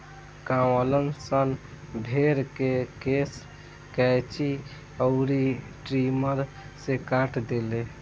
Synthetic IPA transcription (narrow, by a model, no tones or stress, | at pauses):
kãwələnsən | bʱeɾkekes | kɛjt͡ʃi | əʊɾi | ʈɾiməɾ | sekaʈʰd̪ele